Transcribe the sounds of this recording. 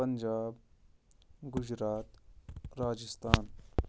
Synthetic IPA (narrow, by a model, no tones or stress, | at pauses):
əɲd͡ʒaːb | ɡʊd͡ʒɾaːt̪ɾaːd͡ʒəst̪ʰaːn